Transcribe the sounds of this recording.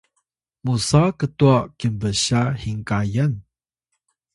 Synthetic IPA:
musakət̪uakimbəɕahiŋkajən

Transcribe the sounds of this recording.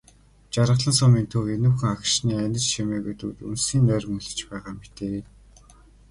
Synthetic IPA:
t͡ɕaɾə̆ɮə̆nsʊmiːnt̪ʰɵrenuːxɘ̆ŋakʃniːænʲɪ̆t͡ɕʃemeːɣut̪ṵt̪ṵnsiːnːœːɾ̆ʲmɵɮɘ̆t͡ɕpæːʁaːmet̪eː

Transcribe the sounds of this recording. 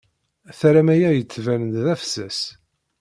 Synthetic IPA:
θɾæmæjæjət͡sːvænənðæfsæs

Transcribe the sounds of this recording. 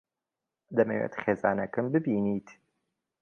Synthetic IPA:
d̪ɐmɐwḛːt̪xeːzaːnɐkɨmbɨbiːniːt̪

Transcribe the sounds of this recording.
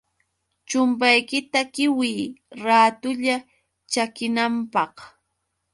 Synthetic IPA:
t͡ʃʊmp̬ajkɪt̪akɪwiːɾaːt̪ʊʎa | t͡ʃakɪnampɑχ

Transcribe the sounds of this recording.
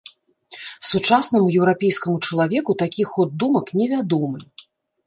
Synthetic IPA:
sut͡ʂasnɐmujɛwɾapʲɛjskɐmut͡ʂɐlˠavʲɛkut̪akʲixɔd̪̚dːumɐknʲɛvʲad̪ɔmɨ

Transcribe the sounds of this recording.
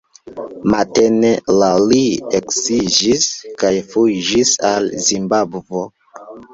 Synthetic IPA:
matenelalieksid͡ʒiskajfud͡ʒisalzimbabvo

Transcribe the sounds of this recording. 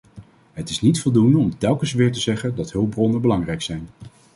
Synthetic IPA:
ɦətɪsnitfɔlˠdundəɔmtɛlˠkənsʋɪːɹtəzɛχəndɑtɦɵlˠbrɔnəbəlɑŋrɛjksɛjn

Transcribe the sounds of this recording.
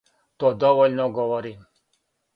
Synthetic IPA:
t̪ɔd̪ɔʋɔlʲnɔɡɔʋɔɾim

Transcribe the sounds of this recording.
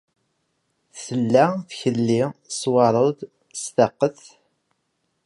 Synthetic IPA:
θθəlːæθçəlːiswɑɾˤəð | st̪ɑqːəθ

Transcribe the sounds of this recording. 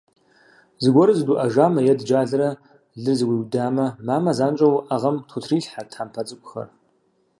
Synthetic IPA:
zɨɡʷɔɾɨzduʔɐʒaːmɐjɛdd͡ʒaːɮɨɾɐ | ɮɨrzɨwiːwdaːmɐmaːmɐzaːnt͡ʃʷʼɐwʔaʁɐmtʰʷʊtʰriːɬħartʰħaːmpʰɐt͡sʼɨkʷʼʊxɐ̰r

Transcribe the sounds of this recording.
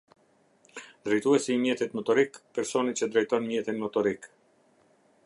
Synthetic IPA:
d̪ɾɛjt̪uɛsiːmjɛt̪it̪mɔt̪ɔɾikpɛɾsɔnit͡ɕəd̪ɾɛjt̪ɔnmjɛt̪inmɔt̪ɔɾik

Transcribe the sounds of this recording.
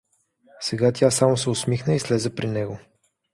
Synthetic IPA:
sɛɡat̪ʲjasamosɛosmixnəislɛzɛpɾinɛɡo

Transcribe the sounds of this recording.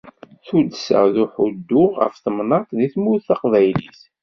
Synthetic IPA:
θud̪sə̰ʁðuħud̪ːʊʁʁə̰fθəmnɑt̪ˤðiθmuθɑqvæjlḭθ

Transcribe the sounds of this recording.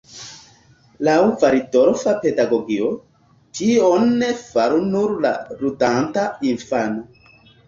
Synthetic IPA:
lawvaɾidoɾfapedaɡoɡio | d͡ʒionːefaɾunuɾla̰ɾudantainfano

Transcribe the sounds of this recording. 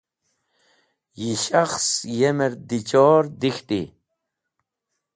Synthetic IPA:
jiʃaχsjemeɾd̪it͡ʃɔːɾd̪ixt̪ḭ

